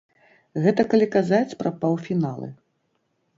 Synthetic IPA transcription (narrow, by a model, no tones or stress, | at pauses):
ɣɛt̪ɐkalʲikazat͡sʲpɾɐpawfʲinalˠɨ̰